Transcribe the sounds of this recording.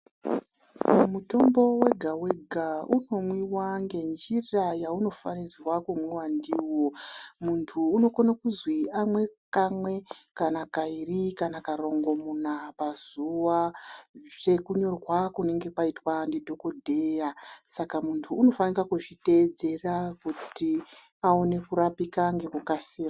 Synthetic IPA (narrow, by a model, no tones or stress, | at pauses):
mumuto̞mbo̞we̞ɡʱaweɡʱauno̞mwiwaŋɡe̞nd͡ʒirajauno̞fanirwakumwewandiwo̞muntʰuːno̞konakuzwiamwe̞kamwe̞kanakairikanakaɾo̞ŋɡo̞munapazuwa | ʐe̞kuɲo̞rwakune̞ŋɡe̞paitwandidʱo̞ko̞dʱe̞jasakamuntʰuːno̞fanirakuʐite̞ːd͡ze̞rakuti | aone̞kuɾapikaŋɡe̞kukasiːra